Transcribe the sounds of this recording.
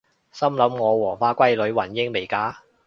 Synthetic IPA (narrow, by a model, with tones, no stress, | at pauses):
sɐ˥mlɐ˨˥mŋɔː˨˧wɔː˨˩faː˧kʷɐ˥jlɵ˨˧ɥwɐ˨˩njɪ˧ŋme˨˩jkaː˨˥